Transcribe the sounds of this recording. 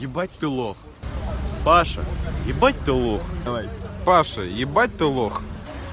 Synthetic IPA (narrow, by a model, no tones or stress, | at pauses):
jʲɪbat̚ʲt̪ɨlˠox | paʂɐ̰jɪbat̚ʲt̪ɨlˠoxɐajpaʂɐjɪbat̚ʲt̪ɨlˠox